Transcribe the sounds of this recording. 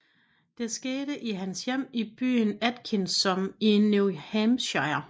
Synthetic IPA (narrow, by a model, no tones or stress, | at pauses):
d̥e̝sɡ̥eːɾəʔiɦænsjem̰ib̥y̰ːnæd̥kʰinsɒ̽minuhæmɕɑɪɐ